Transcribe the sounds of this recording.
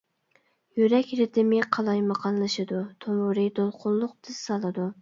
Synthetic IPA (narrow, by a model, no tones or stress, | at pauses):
jyɾɛkʲɾɪt̪ʰɪmɪqʰɑlˠɑjmɑqʰɑnlˠɨʃɨd̪ut̪ʰowʊɾɨd̪olˠqʰʊlˠːʊqt̪ʰɨz̥sɑlˠɨd̪u